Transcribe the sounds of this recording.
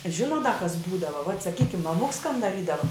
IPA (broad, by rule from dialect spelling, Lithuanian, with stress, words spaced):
ˈʒʲɪnoːt dɐ kɐs ˈbuːdɐʋɐ ʋɐt sɐˈkʲiːkʲɪm mɐˈmʊks kɐn dɐˈrʲiːdɐʋɐ